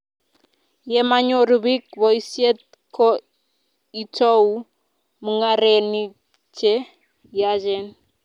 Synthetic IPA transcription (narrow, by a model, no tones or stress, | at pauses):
jɛmaɲoɾuβikβɔisiet̪ | kʰɔ | itou | muŋaɾeni | t͡ʃɛ | jaʒɛn